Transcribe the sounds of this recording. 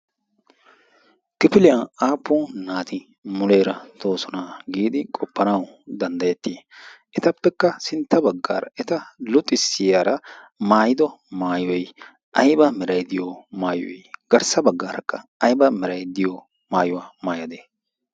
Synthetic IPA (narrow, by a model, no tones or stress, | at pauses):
kɪpɪlɪjɐaːpːoːnaːt̪ɪ | mʊle̞ːɾɐt̪ʰo̞ːsɔnaɡiːd̪ɪkʼɔpːɐnɐwd̪ɐnd̪ɐjɛt̪ːiʔɛt̪ɐpːɛkːɐsɪnt̪ːɐbɐɡːa̰ːɾɐ̰ʔɛt̪ɐlʊt̪ʼːɪsːɪjaːɾɐmaːjɪd̪ɔmaːjɔj | ʔɐjbɐmɛɾɐjd̪ɪjɔmaːjɔjɡ̥ɐɾsɐbɐɡːaːɾɐkːɐɐjbɐmɛɾɐjd̪ɪjɔ | maːjʊwaːmaːjɐd̪eː